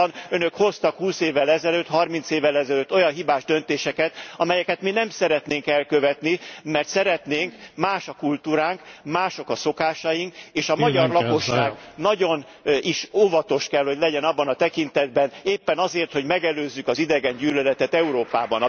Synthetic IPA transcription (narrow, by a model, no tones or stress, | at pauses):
nønøkho̞st̪ɒkhuːseːvːɛlɛzɛløːt̪hɒrmint̪seːvːɛlɛzɛløːt̪ːo̞jɒnɦibaːʒd̪ø̞nt̪eːʃɛkɛt̪ɒmɛjɛkɛt̪minɛmsɛɾɛt̪neːŋkɛlkøvɛt̪nimɛrt̪sɛɾɛt̪neːŋkmaːʃɒkult̪uːɾaːŋkmaːʃo̞kɒso̞kaːʃɒjiŋkeːʃɒmɒɟɒrlɒko̞ʃːaːɡɡnɒɟo̞n | iʃoːvɒt̪o̞ʃkɛlho̞ɟlɛɟɛnɒbːɒnɒt̪ɛkint̪ɛd̪̚bɛneːpːɛnɒzeːrt̪ho̞ɟmɛɡɛløːzːykɒzid̪ɛɡɛɲɟyːlɛlɛt̪ɛt̪ɛuɾoːpaːbɒn